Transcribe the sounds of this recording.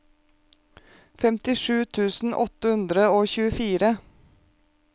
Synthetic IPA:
fɛmt̪ɪʃʉːt̪ʰʉːsn̩ʔɔt̪əhʉnd̪ɾəoːçʉːəfiːɾə

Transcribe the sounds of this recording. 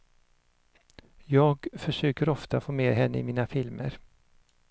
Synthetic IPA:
jɑːɡfœʂøːkəɾɔft̪afoːmeːɦɛnːəɪ̰miːnafɪlmə̰ɾ

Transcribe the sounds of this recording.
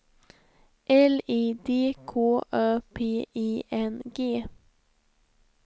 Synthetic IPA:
ʔɛliːd̪eːkʰoːʔœːpʰeːʔiːʔɛnɡeː

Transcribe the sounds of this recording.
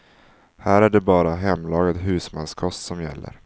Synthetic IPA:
hæːɾæɖɛbɑːɾaɦɛmːlɑːɡad̪ɦʉ̟ːsmanskʰɔst̪sɔmjɛ̰lːə̰ɾ

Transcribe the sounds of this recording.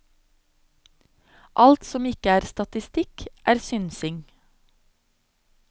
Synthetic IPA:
ʔɑlt̪sɔmɪkəæːɾst̪ɑt̪ɪst̪ɪkʔæːɾsʏnsɪŋ

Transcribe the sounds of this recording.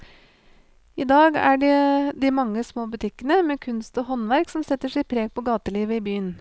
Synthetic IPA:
ɪd̪ɑːɡæ̰ɖɛd̪ɪmɑŋːəsmoːbʉt̪ʰɪkːənəmɛːkʰʉnst̪ɔːhɔnʋæɾksɔmsɛt̪ːəʂɛɪpʰɾeːɡ̚pʰɔɡɑːt̪əliːʋəɪbyːən

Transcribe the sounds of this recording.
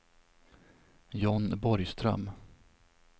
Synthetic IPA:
jɔnbɔɾjst̪ɾœ̰m

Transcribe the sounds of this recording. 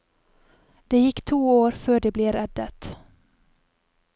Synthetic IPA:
d̪̥ɛjɪkːt̪ʰuːoːɾføːɖɛbleːɾɛd̪ːət̪

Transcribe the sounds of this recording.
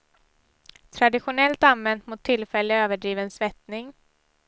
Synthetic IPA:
t̪ʰɾad̪ɪɧʊnɛlt̪anvɛnt̪mʊt̪ʰːɪlfɛlːəøːvəɖɾiːvənsvɛt̪nɪŋ

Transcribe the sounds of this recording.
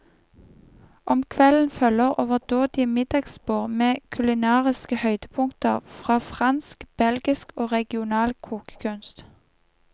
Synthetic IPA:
ʔɔmkʰʋɛln̩fœləʁʔoːʋəʁd̪oːd̪̥ɪəmɪd̪ɑɡspoːʁmeːkʰʉlɪnɑːʁɪskəhœʏd̪̥əpʰʊŋt̪əʁfʁɑːfʁɑnskb̥ɛlɡɪskoːʁɛɡɪʊnɑːlkʰuːkə̥kʰʉnst̪

